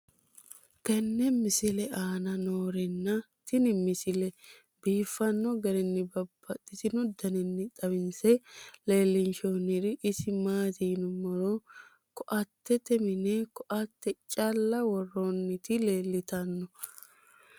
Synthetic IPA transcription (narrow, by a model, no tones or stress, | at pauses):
kɛnːɛmɪsɪlɛʔaːnɐnoːɾɛnːɐ | t̪ɪnɪmɪsɪlɛ | biːfːɐnːɔɡɐɾɪnːɪbɐb̥ːɐt̪ʼːɪt̪ɪnʊd̪ɐnɪnːɪt̪ʼɐwɪnsɛle̞ːlːɪnt͡ʃonɪɾɪʔɪsɪmaːt̪iːnʊmɔɾo | kɔʔɐt̪ːɛt̪ɛmɪnɛkɔʔɐt̪ːɛt͡ʃʼɐlːɐwɔrːonːɪt̪ɪleːlːɪt̪ɐnːɔ